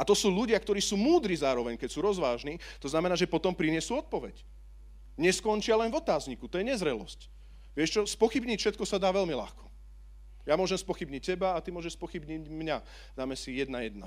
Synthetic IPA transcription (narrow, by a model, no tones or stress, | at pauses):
at̪ɔsuːʎuɟɪakt̪ɔɾiːsuːmuːd̪ɾiːzaːɾɔʋɛɲkɛcsuːɾɔzʋaːʒnit̪ɔznamɛnaːʒɛpɔt̪ɔmpɾiɲɪɛsuːɔt̪̚pɔʋɛc | ɲɛskɔnt͡ʃɪalɛnvɔt̪aːzɲikut̪ɔjɛɲɛzɾɛlɔ̰sc | ʋɪɛʃt͡ʃɔspɔxibɲicfʃɛt̪̚kɔsad̪aːʋɛlmila̰xkɔ̥ | jamʊɔʒɛmspɔxibɲic̚ːɛbaːt̪imʊɔʒɛʃspɔxibɲicmɲa | d̪aːmɛsijɛd̪najɛd̪na̰